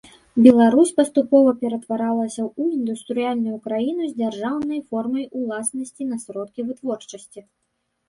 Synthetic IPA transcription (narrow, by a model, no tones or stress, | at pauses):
bʲɛlˠaɾusʲpɐst̪upɔvɐpʲɛɾɐt̪vaɾalˠɐsʲɐuind̪ust̪ɾɨjalʲnujukɾajinuzʲd͡zʲarʐawnɐjfɔrmɐjulˠasnɐsʲt͡sʲinɐsɾɔt̪̚kʲivɨt̪vɔrt͡ʂɐsʲt͡sʲi